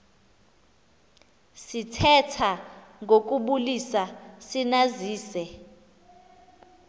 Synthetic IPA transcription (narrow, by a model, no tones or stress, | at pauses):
sitʰɛtʰaŋɡok̬uɓulisasinaziːsɛ